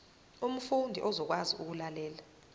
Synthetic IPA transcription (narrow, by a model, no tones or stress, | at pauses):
um̩fundʱḭʔɔzɔk̬waziʔuk̬ulalɛːla